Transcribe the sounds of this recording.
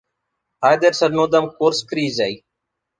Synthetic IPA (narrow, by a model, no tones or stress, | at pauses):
aːjd̪əɾsəɾnoːd̪əmkoːɾskɾiːzai